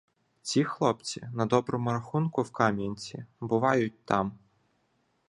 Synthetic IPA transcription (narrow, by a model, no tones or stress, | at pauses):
t͡sʲixlˠɔp̪t͡sʲḭnɐd̪ɔbɾɔmuɾaxunkʊwkamʲenʲtʲibɨʋɑjʊt̚ʲt̪ɑm